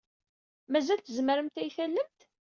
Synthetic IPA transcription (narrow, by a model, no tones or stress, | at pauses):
mæzælt̪əzməɾəmt̪æjθælːəmt̪